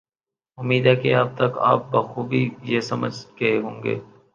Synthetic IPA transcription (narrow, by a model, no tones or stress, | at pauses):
ʊmːiːd̪akeaːb̚t̪ɐka̰ːp̚baɐxuːbʱijeːsɐməd͡ʒkɐeɦõːŋɡḛː